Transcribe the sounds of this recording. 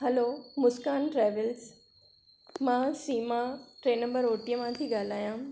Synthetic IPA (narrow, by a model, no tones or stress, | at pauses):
ɦɐloːmʊskaːnʈɾɛːʋəlz | mãːsiːmaʈɾeːnɐ̃mbəɾoːʈijəmãt̪ʰiɡaːl̤aːjãː